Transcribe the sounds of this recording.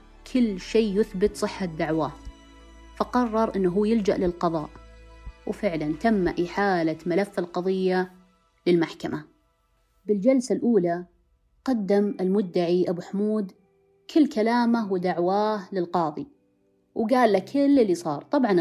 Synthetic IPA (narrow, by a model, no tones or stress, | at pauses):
kʰɪlːʃeːjʊθbɪt̪sˤɨħːad̪aʕwaː | faqɑrˤːɑɾˤʔɪnːɦuːjɪld͡ʒa̰ʔlɪlqɑðˤɑ̰ːʔwfɪʕlant̪amːaʔiħaːlamalafːɪlqɑðˤɨjːa | lɪlmaħkama | bɪld͡ʒalsalʔuːla | qɑd̪ːamɪlmʊd̪ːaʕiʔabuħmuːd̪ | kʰɪlːkalaːmawd̪aʕwaːhlɪlqɑːðˤi | wɡaːlːakʰɪlːɪlːisˤɑːɾˤt̪ˤɑbʕɑn